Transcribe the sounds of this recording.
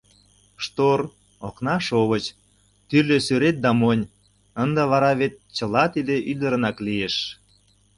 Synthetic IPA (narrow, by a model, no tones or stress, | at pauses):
ʃt̪or | oknɑʃoβət͡ɕ | t̪yrlʲesyɾet̪̚d̪ɑmonʲ | ənd̪əβɑɾɑβet̪̚t͡ɕə̆lɑt̪id̪eʔyd̪əɾə̆nɑklieʃ